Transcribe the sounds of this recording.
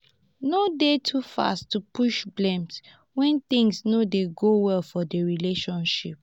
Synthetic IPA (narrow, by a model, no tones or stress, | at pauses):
nodetʰufa̰stːupʰuʃblɛ̃mt | wɛ̃nθĩŋsnodeɡowɛlfɔdəɹileʃɔ̃nʃip̚